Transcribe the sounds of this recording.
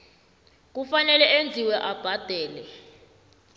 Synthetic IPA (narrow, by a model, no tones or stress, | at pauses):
k̬ufanɛlɛʔend͡zʱiwɛʔab̥ʱad̥ʱɛːlɛ